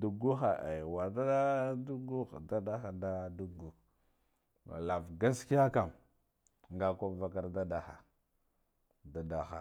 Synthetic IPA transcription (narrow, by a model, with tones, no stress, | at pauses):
du˨ɡu˦xa˨ʔa˨wa˨ɾda˦da˦du˦ɡu˦xda˦da˦xa˨da˦du˦ɡu˨ | ma̰˨la˨vɡa˦ski˦ja˦ka˨m | ŋɡa˦ko˦va˦ka˦˨ɾda˦da˨xa̰˨ | da˨da˨xa̰˨